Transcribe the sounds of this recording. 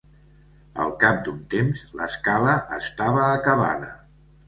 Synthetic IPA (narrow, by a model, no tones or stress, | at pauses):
ə̰lˠkap̚d̪unt̪emzləskaləʔəst̪aβəːkəβa̰ðə